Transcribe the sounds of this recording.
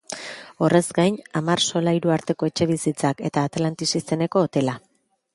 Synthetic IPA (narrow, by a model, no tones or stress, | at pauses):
o̞re̞zɡajnamarso̞laiɾuaɾt̪e̞ko̞e̞t͡ʃe̞β̞isit͡sake̞t̪aːt̪alant̪isist̪e̞ne̞ko̞ːt̪e̞la